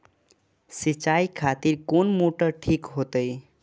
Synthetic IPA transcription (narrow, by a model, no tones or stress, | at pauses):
sit͡ʃaikʰat̪iɾkonmoʈəʈʰikɦot̪əj